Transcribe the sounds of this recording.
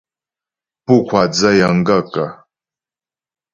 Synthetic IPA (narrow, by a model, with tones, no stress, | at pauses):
pu˦kʷʰa˨d͡za˦ja˨ŋ˦ɡa˦kʼa˨